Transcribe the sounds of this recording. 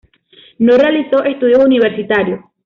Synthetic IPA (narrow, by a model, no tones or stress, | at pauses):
norealiso̞ʔest̪uðjouniβeɾsit̪aɾjo